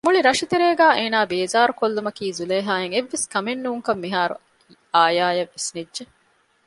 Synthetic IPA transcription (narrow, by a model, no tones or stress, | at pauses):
muɭiɾɐʃit̪eɾeːɡæːʔeːnaːbeːzaːɾukolːumɐkiːzuleːɦaːeŋeʋːeskɐmenːuːŋkɐmːiɦaːɾṵ | aːjaːjɐʋːesnidʒe